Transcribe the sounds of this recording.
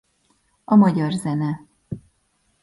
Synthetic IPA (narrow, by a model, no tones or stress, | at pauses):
ɒmɒɟɒrzɛnɛ